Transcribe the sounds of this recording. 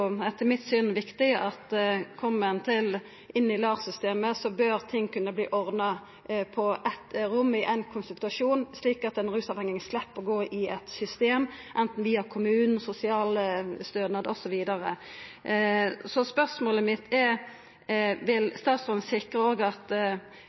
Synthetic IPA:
ɛt̪ʰːəmɪt̪syːnʋɪkt̪ɪʔɑt̪kʰɔmːənt̪ʰɪl | ʔɪnːɪlɑːʁsʏst̪eːməsɔbøːɾt̪ʰɪŋːkʉnːəblḭːʔɔʁd̪nɑ | pʰɔʔɛt̪ɾʊmːɪʔæɪnkʰʊnsʉlt̪ɑʂuːnsliːkɑt̪ɛnɾʉːsɑʋɛŋɪŋəslɛpːəɡoːʔɪɛt̪sʏst̪eːmʔɛnt̪n̩ʋiːɑkʰʊmʉːnn̩sʊsɪɑːləst̪øːd̪nɑd̪ɔsɔʋiːd̪ɑʁə | sɔspœʁsmoːləmɪt̪ːɛ | ʋɪlst̪ɑːt̪sɔnəsɪkʁəoːɡɑt̪

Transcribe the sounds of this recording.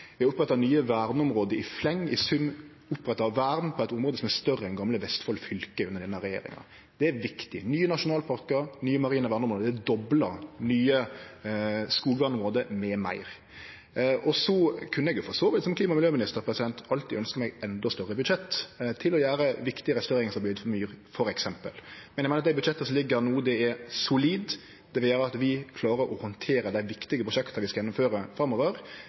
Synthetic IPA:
ʋɛʊpːɾɛt̪ːɑnyːəʋæːɾnəɔmʁoːd̪əɪflɛŋːɪsʉn | ʊpːɾɛt̪ːɑʋæːɾd̪n̩pʰɔæt̪ʊmʁoːd̪əsɔmæɾst̪œrːəɛnɡɑmləʋɛst̪fɔlfʏlkəʉnːəɾd̪ɛnəɾɛjḛːɾɪ̰ŋɑ̰ | d̪̥ɛæɾʋɪkt̪ɪnyːənɑʂʊnɑːlpʰɑɾkəɾnyːəmɑɾiːnəʋæːʁnəɔmɾoːd̪d̪ɛd̪ɔblɑnyːə | skuːɡ̪ʋænɔmʁoːd̪əmɛmæ̰ɪɾ | ʔɔsɔkʰʉnːəɛɡjʊfɔsoːʋɪt̪sɔmkʰliːmɑmɪljøːmɪnɪst̪əɾpʰɾɛsɪd̪ɛnt̪ɑlt̪iːœnskəɾmɛɡɛnd̪ɔst̪œɾːəbʉd̪ʂɛt̪ːt̪ʰːɪlɔjæːɾəʋɪkt̪ɪəɾɛst̪ːeːɪŋsɔbɪyːd̪fɔmyːɾfɔɾɛksɛmpə̰lmɛnæɡmɪnəd̪æɪbʉd̪ʂɛt̪ːəsɔmlɪɡːəɾnuːd̪ɛɛɾsʊliːd̪ | d̪ɛʋɛljeːɾəɑt̪ʋɪkʰlɑːɾəɾʔɔhɔnt̪ʰeːɾəd̪æɪʋɪkt̪ɪɡəpʰɾʊʂʃɛkt̪əʋɪskɑjɛnɔmføːɾəfɾɑmːoːʋəɾ

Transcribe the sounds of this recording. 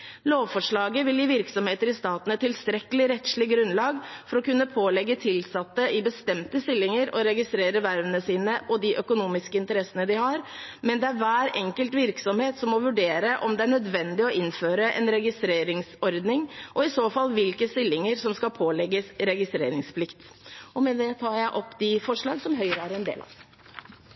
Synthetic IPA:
loːʋfɔʂɭɑːɡəʋɪljiːʋɪɾksɔmheːt̪əɾɪst̪ɑːt̪n̩ɛt̪ːɪlst̪ɾɛkəlɪɾɛt̪slɪɡɾʉnlɑːɡfɔɾɔkʉnːəpʰoːlɛɡːət̪ʰɪlsɑt̪ːəʔɪbəst̪ɛmt̪əst̪ɪlːɪŋəɾɔɾɛɡɪst̪ɾeːɾəʋæɾʋənəsiːnəʔɔd̪ɪʔœkʊnuːmɪskəɪnt̪əɾɛsənəd̪ɪhɑɾmɛnd̪ɛæɾʋæːɾɛŋkəlt̪ʋɪɾksɔmheːt̪sɔmːɔʋʉɖeːɾəʔɔmd̪ɛæɳœd̪ʋɛnd̪ɪɔɪnːføːɾəʔɛ̰nɾɛɡɪst̪ɾeːɾɪŋsɔɾd̪nɪŋʔɔɪsoːfɑlːʋɪlkəst̪ɪlːɪŋəɾsɔmskɑpʰoːlɛɡːəsɾɛɡɪst̪ɾḛːɾɪŋspʰlɪkt̪ | ʔɔmɛd̪ɛt̪ʰɑːɾjæɪʔɔpːd̪ɪfɔʂɭɑːɡsɔmɦœʏɾəæɾɛnd̪ḛːlɑ̰ʋ

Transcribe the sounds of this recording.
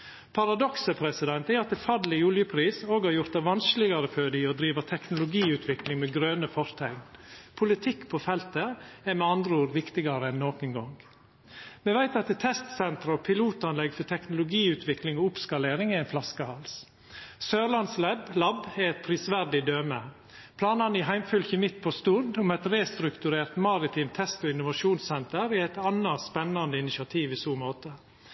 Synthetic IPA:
pʰɑɾɑd̪ɔksəpʰɾɛsɪd̪ɛnt̪ɛɑt̪d̪ɛfæɖ̪lɪjuːljəpʰɾiːsoːɡhɑɾjʊɾt̪d̪ɛʋɑnsklɪɡɑɾəfød̪iɔd̪ɾiːʋɑt̪ʰɛknʊlʊɡiːʉːt̪ʰʋɪklɪŋmeːɡɾøːnəfɔɾt̪ʰæɪnpʰʊlɪt̪ʰɪkːpʰofɛlt̪əɛɾmɛɑnd̪ɾəuːɾʋɪkt̪ɪɡɑɾəɛnːoːkənɡɔŋ | mɛʋæɪt̪ɑt̪t̪ʰɛst̪sɛnt̪ɾəɔpʰɪluːt̪ɑnlɛɡfɔʈ̪ʰɛknʊlʊɡiːʉːt̪ʰʋɪklɪŋɔʊpskɑleːɾɪŋɪæɪnflɑskəhɑls | søːɾlɑnslɛblɑbɛɾɛt̪̚pʰɾiːsʋæɾɖ̪ɪd̪øːmə | pʰlɑːnɑnɪɦæɪmfʏlçəmɪt̪ːpʰɔst̪uɾd̪ʊmɛt̪ɾeːst̪ɾʉkt̪ʉɾeːɾt̪mɑɾɪt̪ʰiːmt̪ʰɛst̪ɔɪnʊʋɑʃuːnsɛnt̪əɾɪæt̪ɑnːɑspɛnːɑnd̪əɪnɪʃɑt̪ʰiːʋɪsuːmoːt̪ə

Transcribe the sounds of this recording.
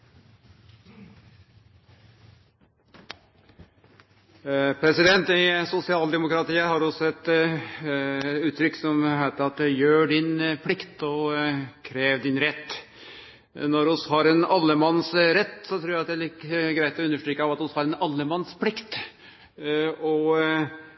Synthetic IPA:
pʰɾɛsɪd̪ɛnt̪ɪsʊsɪɑːld̪ɛmʊkɾɑt̪iːəhɑɾɔsɔɛt̪ | ʉːt̪ʰɾʏkːsɔmhæɪt̪əɾɑt̪ɛjøːɖɪnpʰlɪkt̪ɔkʰɾeːʋd̪ɪnɾɛt̪ː | nɔɾʊshɑɾɛnɑlːəmɑnːsɾɛt̪ːsɔt̪ʰɾuːɾæɑt̪̚d̪ɛlɪkːəɡɾæɪt̪ʰɔʉnːəʂʈɾyːkəɑʋɑt̪ʊshɑɾɛnɑlːəmɑnspʰlɪkt̪ | ɔ

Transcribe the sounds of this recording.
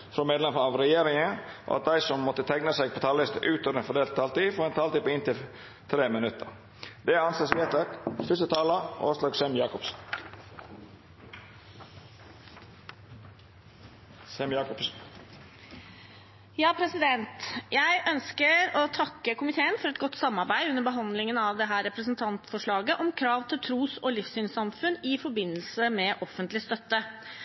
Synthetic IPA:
fɾɔːmeːd̪lɛməɑʋɾɛjeːɾɪŋəʔo̰ɑ̰t̪̚d̪æɪsɔmːɔt̪ːət̪ʰæɡnəseːɡ̚pʰɔːt̪ʰɑːlɪst̪əʔʉːt̪ʰɔʋɾɛnfɔd̪eːlt̪̚t̪ʰːɑːlt̪iːfɔːɾɛnt̪ʰɑːlt̪iːpɔɪnt̪ɪl | t̪ʰɾeːmɪnʉt̪ːəɾ | d̪̥ɛɑnseːsʋeːt̪ɑkfʏst̪ət̪ʰɑːləʔo̰ːslɑːɡsɛmjɑːkɔps | sɛmjɑːkɔps | jɑːpʰɾɛsɪd̪ɛnt̪jæɪʔœnskəɾoːt̪ʰɑkːəkʊmɪt̪ʰeːənfɔɾɛt̪̚ɡɔt̪ːsɑmːɑɾbæɪʉnːəɾbəɦɑnd̪lɪŋənɑːʋd̪ɛɦæːɾɛpɾəsnt̪ʰɑnt̪fɔʂɭɑːɡəʔɔmkʰɾɑːʋt̪ʰɪlt̪ʰɾuːsoːlɪfssyːnsɑmfʉnɪfɔɾbɪnːəlsəmɛʔɔfənt̪lɪst̪œt̪ːə

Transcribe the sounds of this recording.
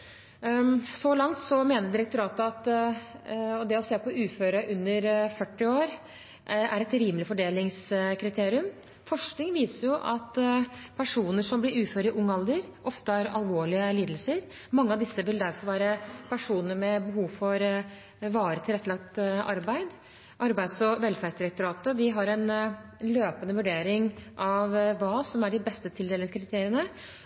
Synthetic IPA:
sɔlɑŋt̪sɔmeːnəɖ̪ɪɾɛk̚t̪ʊɾɑːt̪əɑt̪ | ɔd̪ɛɔseːpɔʔʉːføːɾəʔʉnːəɾfœʈːɪoːɾ | ʔæɾɛt̪ɾiːmlɪfɔɖeːlɪŋskʰɾɪt̪ʰeːɾɪʉm | fɔʂknɪŋʋiːsəɾjʊʔɑt̪pʰæʂuːnəʂɔmblɪɾʉːføːɾəəʔʊŋːɑld̪əɾʔɔft̪əhɑɾɑ̰lʋoːɭɪəliːd̪əlsəɾ | mɑŋːəɑd̪ɪsːəʋɪld̪æɾfɔɾʋæːɾəpʰæʂuːnəɾmɛbəɦuːʋfɔɾ | ʋɑːɾət̪ʰɪlɛt̪ːəɭɑk̚t̪ʔɑɾbæɪd̪ | ʔɑɾbæɪd̪sɔʋɛlfæɾsd̪ɪɾɛk̚t̪ʊɾɑːt̪əd̪ɪɦɑɾɛnløːpənəʋʉɖeːɾɪŋʔɑʋʋɑːsɔmæɖɪbɛst̪ət̪ʰɪld̪eːləəkʰɾɪt̪ʰeːɾɪənə

